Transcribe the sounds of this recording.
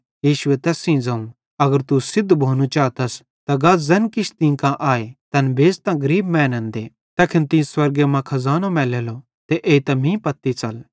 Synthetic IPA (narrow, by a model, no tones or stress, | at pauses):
jiːʃʊɛt̪ɛːsĩd͡zɐũ | ɐɡəɾt̪usɪd̪ːbʱoːnũt͡ʃaːt̪ɐs | t̪aɡazɐnkɪʃt̪ĩkãʔaːet̪ɐnbeːst̪ãɡɐɾiːbmɛ̃ːnɛ̃nd̪e | t̪ɐkʰɪnt̪ĩswɐɾɡemãkʰɐzaːnõmɛːlɛːlo | t̪eʔeːit̪ɐmĩpɐt̪ːit͡sɐl